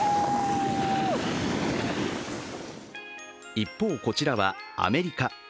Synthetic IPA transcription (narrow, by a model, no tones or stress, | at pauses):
ipːo̞ːko̞t͡ɕiɾaβa̰a̰me̞ɾʲika